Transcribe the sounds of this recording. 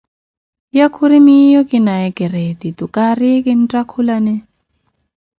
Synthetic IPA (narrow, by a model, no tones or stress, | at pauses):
jakʰuɾimijɔkinaɛkɛret̪it̪ukʼarikin̩tʼakʰulanɛ